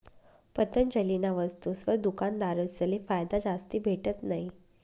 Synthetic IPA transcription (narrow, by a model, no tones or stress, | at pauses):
pət̪ənd͡ʑəlinaʋəst̪usʋəɾd̪ukand̪aɾəsəlefajd̪ad͡ʑast̪iːbʱeʈət̪naɦi